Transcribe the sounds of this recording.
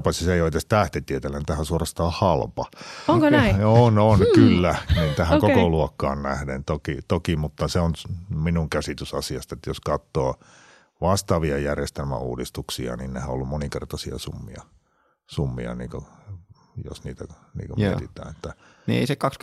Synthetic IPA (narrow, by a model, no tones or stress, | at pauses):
pɑsisejoit̪est̪æht̪et̪iet̪elːænint̪æhæsuorɑst̪ɑːhɑlpɑoŋkoæononkylːænint̪æhækokoluokːɑ̰ːnnæhdent̪okit̪okimut̪ːɑseonminuŋkæsit̪ysɑsiɑst̪ɑet̪ːjoskɑt̪ːoː | ʋɑst̪ɑʋiɑjærjest̪elmæ̰ṵːdist̪uksiɑ̰ninnehæolːummonikḛrt̪ɑsiɑ̰sumːḭɑ̰ | sumːḭɑ̰niːŋko | jo̰sniːt̪ænḭːŋkomḛt̪it̪ˑæ̰ːnet̪ːæ | niḛisekɑks